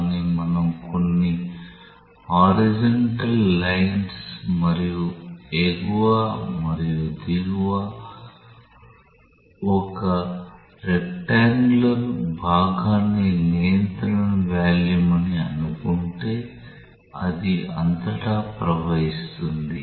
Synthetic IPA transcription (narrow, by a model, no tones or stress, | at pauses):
nimɐnɐmko̞nːi | haːɾid͡ʒɐɳʈɐlːɐjɐnsmɐɾijuekuʋamɐɾijud̪iɡuʋaː | ɔkɐ | ɾekʈaːŋɡlɐɾbʱaːɡaːnːinijɐnt̪ɾɐɐmʋaːljumɐniɐnukuɳʈe̞ː | ɐ̰d̪iɐ̰nt̪ɐʈaːpɾɐʋɐɦist̪und̪i